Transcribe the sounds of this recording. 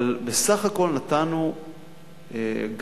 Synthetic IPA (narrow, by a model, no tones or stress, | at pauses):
lbesaχako̞lnat̪anu | eɡ